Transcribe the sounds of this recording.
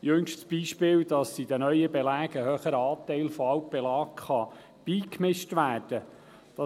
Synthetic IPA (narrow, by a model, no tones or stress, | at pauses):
jɵŋʃtsb̥iːʃpɪːwd̥ɑsid̪ənœʏəbɛlæːɡəhøːχəɾɑːt̪ɛɪlfoɑwp̚b̥ɛlɑːkχɑ | b̥iːkmɪʃtʋæːɾd̥ə | d̥ɑ